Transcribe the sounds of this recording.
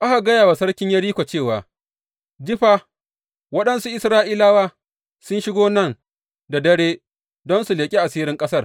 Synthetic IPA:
ʔa˦ha˨ɡɐ˦jaː˨wa˨sɐ˦ɽkʲɪ˦ɲjɐ˦ɽiː˦kʷa˨t͡ʃeː˦˨waː˨ | d͡ʒɪ˦ɸaː˦ | wɐ˦ɗɐ˦nsu˦ʔɪ˦sɾaː˦ʔiː˦laː˦waː˦ | sʊ˦nʃɪ˦ɡoː˦nɐ˦˨n | da˨dɐ˦ɽeː˦ | dɔ˦nsu˨leː˨kʲʼi˦ʔa˨siː˦ɾɪ˦ŋkʼɐ˦sɐ˦˨r

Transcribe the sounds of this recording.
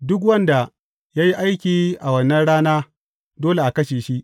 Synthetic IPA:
dʊ˦k̬wɐ˦nda˨ | jaː˦ji˦ʔa˦jkʲiː˨ʔa˨wɐ˦nːɐ˦nɽaː˦naː˦ | doː˦le˨ʔa˨kɐ˦ʃeː˨ʃi˦ʔ

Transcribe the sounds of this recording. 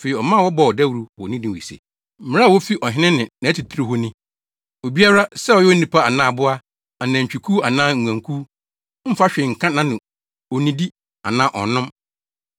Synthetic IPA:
fe˨ɾi˨ɔ˨mã˦˨wɔ˦bɔ˨ɔ˨dɛ˦wu˨ɾu˦wɔ˨nɪ̃˦dɪ̃˨ḭ˨sḛ˨ | m̩˦mɪ̃˦ã˦˨wɔ˦fi˦ʔɔ˨ɦɪ˦nɪ̃˦nɪ̃˨nã˨˦tʰi˨tʰɾi˦ɦʊ˦nɪ̃˦ | o˨bi˦a˦ɾa˦sɛ˦ɔ˨jɛ˦ɔ˦nĩ˦pʰa˦a˨nãː˦˨bʊ˦a˦ | a˨nã˨ɲ̩˨t͡ɕᶣi˨kʰuː˦a˨nãː˦ŋ̩ʷ˨ã˨ŋkʰuː˦ | m̩˦fa˦ɕᶣɪ˨ŋ̩˨kʰã˦nã˦nɪ̃˨ | ɔ˨nĩ˦di˦ | a̰˨nãː˦ʔɔ̰˨nʊ̃˦m

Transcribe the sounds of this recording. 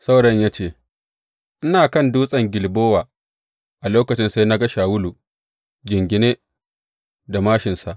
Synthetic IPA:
sa˦wɽɐ˦ɲjaː˦t͡ʃeː˦˨ | ʔɪ˦naː˨kɐ˦˨nduː˦sʼɐ˨ŋɡʲɪ˨lboː˦waː˨ | ʔa˨loː˦kɐ˨t͡ʃɪ˦nsa˦jna˦ɡɐ˦ʃaː˨wʊ˦lu˨ | d͡ʒɪ˨ŋɡʲɪ˨neː˦ | da˨maː˦ʃɪ˨nsa˨ʔ

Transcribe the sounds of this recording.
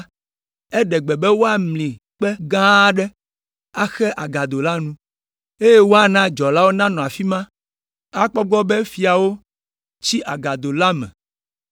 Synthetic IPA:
ɛ˦ɖɛ˨ɡ͡bɛ˨bɛ˦wo˦a˦mlĩ˨ | k͡pɛ˦ɡã˦ɖɛ˦ | a˦xɛ˦ʔa˨ɡa˨d̪o˨la˦nũ˦ | e˦je˦wo˦a˨nã˦d͡ʒɔ˨la˦wo˦nã˦nɔ̃˨a˨fi˦mã˦ | a˦k͡pɔ˦ɡ͡bɔ˦bɛ˦fi˨a˨wo˦ | t͡ɕi˦ʔa˨ɡa˨d̪o˨la˦mɛ̰̃˨

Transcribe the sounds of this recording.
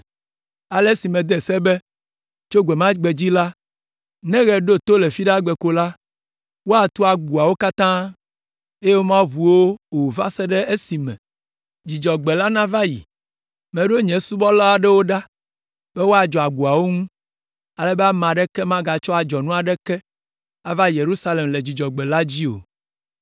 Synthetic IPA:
a˨lɛ˦si˨mɛ̃˨d̪ɛ˨sɛ˦bɛ˦ | t͡ʃo˦ɡʷɛ˨mã˦ɡ͡be˨d͡ʑi˦la˦ | nɛ̃˦ɣɛ˨ɖo˦t̪o˦lɛ˨fi˦ɖa˦ɡ͡bɛ˨ko˦la˦ | wo˦a˨t̪u˦a˨ɡu˨a˨wo˦ka˦t̪ã˦ | e˦je˦wo˦mã˦βu˨wo˦o˨va˦sɛ˦ɖɛ˦e˦si˨mɛ̰̃˨ | d͡ʑi˨d͡ʒɔ˨ɡ͡bɛ˨la˦nã˦va˦jḭ˨ | mɛ̃˨ɖo˦ɲɛ̃˨su˦bɔ˦la˦a˦ɖɛ˦wo˦ɖa˦ | bɛ˦wo˦a˨d͡ʒɔ˨a˨ɡu˨a˨wo˦ŋũ˦ | a˨lɛ˦bɛ˦a˦mã˨ɖɛ˦kɛ˦mã˦ɡa˨t͡ʃɔ˦a˨d͡ʒɔ˨nũ˦a˨ɖɛ˦kɛ˦ | a˦va˦je˨ɾu˦sa˦le˨mle˨d͡ʑi˨d͡ʒɔ˨ɡ͡bɛ˨la˦d͡ʑi˦o̰˨

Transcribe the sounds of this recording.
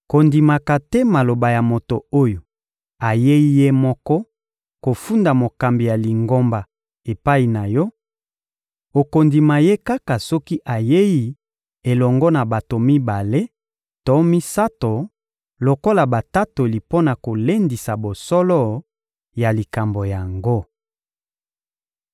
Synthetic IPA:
ko˨ndi˨ma˨ka˨tɛ˦ma˨lo˨ba˨ja˨mo˨to˨o˦jo˨ | a˨je˦i˦je˦mɔ˦kɔ˦ | ko˨fu˦nda˨mo˨ka˨mbi˨ja˨li˨ŋɡo˦mba˨ | e˨pa˦i˨na˨jɔ˦ | o˨ko˨ndi˨ma˨je˦ka˦ka˨sɔ˦ki˦ʔa˨je˦ji˦ | e˨lɔ˨ŋɡɔ˦na˨ba˨to˨mi˦ba˨le˦ | tɔ˨˦mi˦sa˦to˨ | lo˨ko˦la˨ba˨ta˦to˨li˨po˦na˨ko˨le˦ndi˨sa˨bo˨sɔ˦lɔ˦ | ja˨li˨ka˨mbo˨ja˨ŋɡo˦

